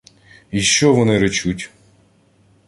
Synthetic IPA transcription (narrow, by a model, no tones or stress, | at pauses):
iʃt͡ʃɔʋɔnɪɾɔt͡ʃutʲ